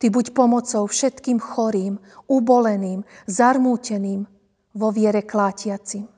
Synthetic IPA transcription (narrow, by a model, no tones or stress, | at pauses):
t̪ibucpɔmɔt͡sɔʊfʃɛt̪kiːmxɔɾiːm | ubɔlɛniːmzaɾmuːcɛniːm | ʋɔʋɪɛɾɛklaːcɪat͡sim